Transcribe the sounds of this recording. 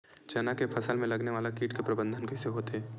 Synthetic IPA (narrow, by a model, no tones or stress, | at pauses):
t͡ʃɐnakepʰɐsəlmẽlɐɡneʋaːlakiːʈkepɾɐbə̃nd̪ʱənkɛseɦoːt̪ɦɛː